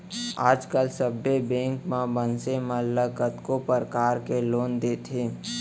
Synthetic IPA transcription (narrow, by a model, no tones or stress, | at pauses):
aːd͡ʒkəlsəbːebẽːŋkmãbənseməlːəkət̪kopəɾkaːɾkeloːnd̪eːt̪ʰeː